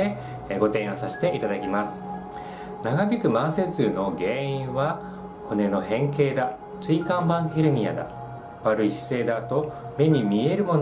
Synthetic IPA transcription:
e | ɡo̞t̪ẽ̞ɰ̃osaɕi̥t̪e̞ʔit̪ad̪akʲimasɨ̥ | naɡabʲikɯ̟mãɰ̃sezɨno̞ɡẽ̞ːiĩβa | ho̞ne̞no̞hẽ̞ŋke̞ːd̪a | t͡sɨikãmbãɰ̃heɾɯ̟ɲ̟ia̰d̪a̰ | βaɾɯ̟iɕi̥se̞ːd̪at̪o̞me̞ɲ̟imʲie̞ɾɯ̟mo̞

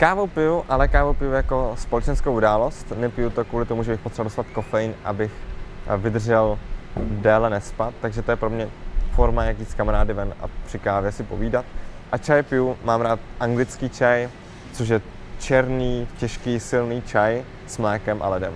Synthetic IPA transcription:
kaːvowpɪjuʔalɛkaːvowpɪjujako̞spolɛt͡ʃɛnskowʔudaːlo̞st̪nɛpɪjut̪okvuːlɪt̪omuʒɛbɪxpot̪rɛvaldoslat̪ko̞fɛjɪnʔa̰bɪxvɪd̪r̩ʒɛldɛːlɛnɛspat̪ːaɡʒɛt̪ojɛpɾo̞mɲɛfo̞ɾmajakiːskamaɾaːdɪvɛnʔa̰pr̥ɪkaːvjɛsɪpo̞viːdat̪̚ʔat͡ʃajpɪjumaːmɾaːt̪̚ʔaŋɡlɪt͡skiːt͡ʃaj | t͡soʃ̬jɛ | t͡ʃɛɾniːcɛʃkiːsɪlniːt͡ʃaj | smlɛːkɛmʔa̰lɛdɛ̰m

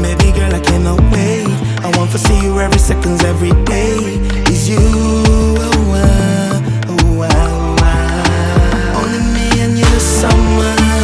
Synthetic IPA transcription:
meɪbiɡɜ˞laɪkʰæ̃noʊke | aɪwɑ̃ntəsijɨɛvɹisɛkɨ̃ndzɛvɹide | ɨzju | owʌ | oʊwa | õʊ̃nlimiɨ̃njɨɨsʌ̃mʌ

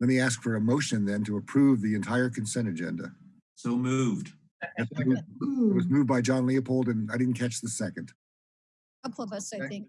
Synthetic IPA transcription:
lɛt̚miæskfə˞ɨmoʊʃɨ̃nðɨ̃ntəəpʰɹ̥ʉvðiɨ̃ntʰaɪə˞kʰɨ̃n̩sɛ̃ñɨd͡ʒɛ̰̃ndɨ̰ | soʊmuvd̥ | ɨtsuɪt̚wʌzmʉvd̚baɪd͡ʒɑ̃nliɨpʰoʊlˠdɨ̃naɪɾɪdⁿn̩kʰæt͡ʃðɨsɛkɨ̃nd̥ | ʌpʰsɪ̃

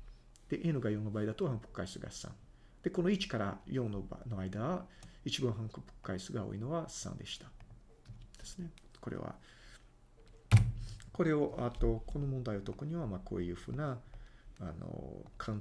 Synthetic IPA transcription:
d̪̥e̞ʔenɯ̟ɡajonobaid̪at̪ohãmpɯ̥kːaisɨɡa̰sã̰ŋ | d̪̥e̞ko̞no̞it͡ɕi̥kaɾajõ̞noba̰noaid̪aβait͡ɕibãɰ̃ɦãŋkpɯ̥kkːaisɨɡao̰ːino̞ɡassã̰nd̪e̞ɕi̥t̪ḁ | d̪̥esɨne̞ | ko̞ɾḛβa̰ | ko̞ɾe̞o̞ʔat̪o̞kʰo̞no̞mõnd̪aio̞t̪o̞kɯ̟ɲ̟iβamakʰo̞̰ːjɯ̟ɸɯ̟̰ːnaː | no̰kʰãn

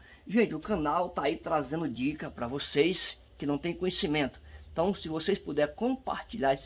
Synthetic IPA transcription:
ʒẽnt͡ʃɪʊkɐ̃nawt̪aːit̪ɾazẽnd̪ʊd͡ʒikɐpɾɐvosejs | kɪnɐ̃w̃t̪ẽj̃kõɲesimẽnt̪ʊ̥ẽt̪ɐ̃w̃sɪvosejspud̪ɛɾkõpa̰ɾt͡ʃiʎaɾes

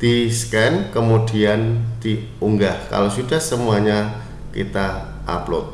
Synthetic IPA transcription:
d̪̥iskɛnkəmud̥iand̪i | uŋɡahka̰losudahsəmuaɲa | kḭt̪a | ʔa̰plʊ̰t̪̚

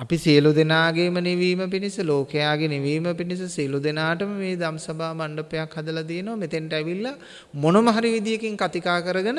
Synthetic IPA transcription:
ɐpisijəlud̪enaːɡeːməniʋiːməpinisəloːkejaːɡeniʋiːməpinisəsijəlud̪enaːʈəməmeːd̪amsabʱaːmaɳɖəpejakhad̪əlat̪ijenoʋamet̪eɳʈəɛʋilːa | monoməɦaɾiʋid̪ijekiŋkat̪ikaːkəɾəɡənə

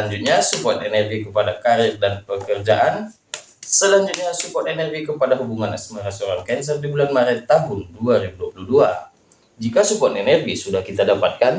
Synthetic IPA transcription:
aɲd͡ʒut̪̚ɲasupɔt̪enɛrɡikəpadakaɾɪrdanpəkərd͡ʒa̰ʔan | səlaɲd͡ʒut̪̚ɲasupɔt̪enɛrɡikəpadaɦubuŋana̰smaɾasoɾankɛns̬ərdibulanmaɾɛt̪ːaɦʊnduaɾibuduapuluhdua | d͡ʒikasupuɔt̪enɛrɡisudahkit̪adapat̪̚kan

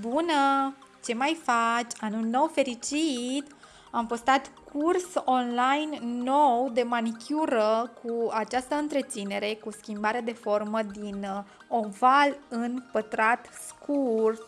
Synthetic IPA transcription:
bunə | t͡ʃe̞majfat͡ʃʲanulno̞wfe̞ɾit͡ʃit̪ | ampost̪at̪kurso̞nlajnːowd̪e̞manikʲʰuɾəkʰuat͡ʃast̪əɨnt̪ɾe̞t̪sine̞ɾe̞kuskʲimbaɾead̪e̞fo̞rməd̪in | o̞valɨnpət̪ɾat̪skʰurt̪

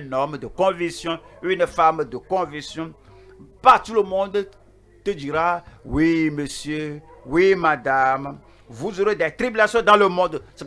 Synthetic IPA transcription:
nɔ̃med̪okɔ̃viksjɔ̃ewinefamed̪okɔ̃viksjɔ̃ | pat̪uləmɔ̃d̪e | t̪ed͡ʒiɾawimesjøwimãd̪am | vuzoɾed̪at̪ɾibilasiɔ̃d̪ãləmɔ̃d̪se

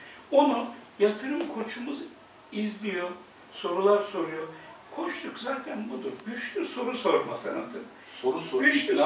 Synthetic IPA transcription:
onujat̪ʰɯɾɯmkʰo̞t͡ʃʰumuz | izlʲijo | so̞ɾulˠaɾso̞ɾujokʰot͡ʃt̪ukzaːt̪ʰænbud̪ubyʃlʲyso̞ɾuso̞ɾmasanad̪ɯ | soɾusyʃlʲy

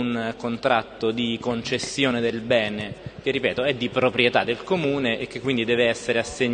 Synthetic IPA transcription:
nkont̪ɾat̪ːod̪ikont͡ʃesːjoːned̪elbɛːnek̟erːipɛːt̪oɛd̪ːipɾopɾjet̪ad̪ːelkomuːneʔekːekːwind̪id̪ɛːveɛsːeɾeasːeɲː

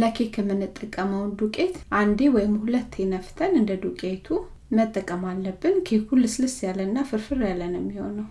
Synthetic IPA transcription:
ləkʰekʰəmːɨnːɨt̪ʼːəkʼːəməwnd̪ukʼe̞t̪ʔand̪ewɔjɪmhulət̪ʰːenəft̪ʰənɨnd̪əd̪ukʼet̪ʰu | mət̪ʼːəkʼːəmalːəbːɨnkʰekʰulːɨslɨsjalːənːafɨɾfɨɾjalːənjɛmːiho̞̰nːəw

